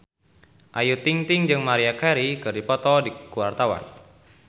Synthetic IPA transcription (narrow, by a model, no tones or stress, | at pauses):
ʔajut̪iŋt̪ɪŋd͡ʒɨŋmaɾiakɛɾikɨrdipɔt̪ɔdikuwart̪awa̰n